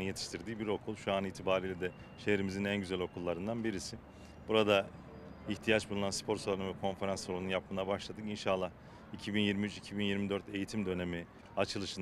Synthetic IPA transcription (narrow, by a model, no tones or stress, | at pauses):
jet̪ʰi̥ʃt̪ʰiɾd̪iːbiɾo̞kʰulˠʃuaniːt̪ʰibaːɾiːlʲɛd̪ɛ | ʃe̞hɾimizinænɟyzælʲo̞kʰulˠːaɾɯnd̪anbiɾisi | buɾad̪a | içt̪ʰijat͡ʃbulˠunanspʰo̞ɾsolˠaɾnunvɛkʰo̞nfe̞ɾansolununjap̚mɯnabaʃlˠad̪ɯkinʃalˠːah | icʰibinjiɾmiyt͡ʃicʰibinjiɾmid̪øɾt̪e̞jit̪ʰimd̪ø̞ne̞mi | at͡ʃʰɯlˠɯʃɯn